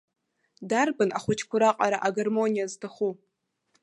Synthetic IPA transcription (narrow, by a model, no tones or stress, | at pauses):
darbɨna̰χʷʊt͡ʃʰkʷʰʊɾaqʼaɾaʔaɡarmo̞nijaztʰaχu